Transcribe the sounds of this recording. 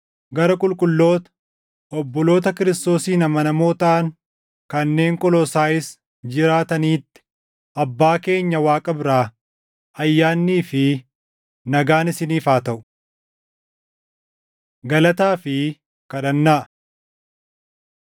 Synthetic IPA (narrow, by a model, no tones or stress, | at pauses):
ɡɐɾɐkʼʊlkʼʊlːo̞ːt̪ɐ̥ | ɔbːɔlo̞ːt̪ɐkɪɾɪst̪o̞ːsiːnɐmɐnɐmo̞ːt̪aːŋ | kɐnːe̞ːŋkʼɔlɔsaːɪs | d͡ʒɪɾaːt̪ɐniːt̪ːɪ̥ | ʔɐbːaːke̞ːɲːɐwaːkʼɐbɾaː | ʔɐjːaːnːiːfɪ | nɐɡaːnɪsɪniːfaːt̪ɐʔʊ̥ | ɡɐlɐt̪aːfɪ | kɐᶑɐnːaːʔ